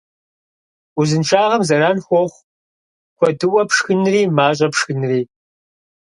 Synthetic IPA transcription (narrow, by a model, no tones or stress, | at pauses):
ʊzɨnʃʰaːʁɐmzɐɾaːnxʷɔχʷ | kʷʰɔdɨwɐpʂxɨnriːmaːɕ̬ʼɐpʂxɨnriː